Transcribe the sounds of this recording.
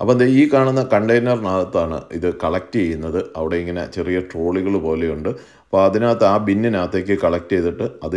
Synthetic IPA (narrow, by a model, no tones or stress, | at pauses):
ɐ̰pːond̪eiːkaːɳunːɐkɐɳɖɐjnɐrnaːlɐt̪ːaːɳɨ̰ḭðɨkɐɭɐk̚tɨt͡ɕejːunːɐðɨɐʋiɽe̞iŋːɐne̞̰t͡ɕe̞rijɐʈro̞ːɭiɣɐɭpo̞ːle̞juɳɖɨ | ɐpːoːɐðinaːt̪ːɐaːbinːinaːt̪ːekʲːɨkɐɭɐk̚tejt̪ːiʈːɨɐðɨ